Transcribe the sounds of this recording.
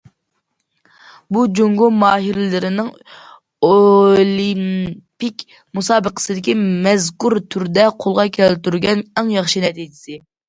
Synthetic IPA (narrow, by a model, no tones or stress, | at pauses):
bud͡ʒoŋɡomɑːɦiɾlɪɾɪnɪŋ | olimpikʲ | musɑːbəqʰə̥sɨd̪ɪkʲimɛzkuɾt̪ʰyɾd̪ɛqʰolˠʁɑkʲʰɛlt̪yɾɡʲɛnɛŋjɑχʃinɛt̪ʰid͡ʒɪsɪ